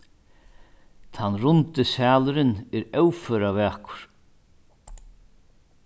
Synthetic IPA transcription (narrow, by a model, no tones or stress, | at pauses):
t̪ʰanːrʊnt̪ɪsaːlʏɾɪnɛɾœwfœːɾavɛːkʊ̥ɾ̥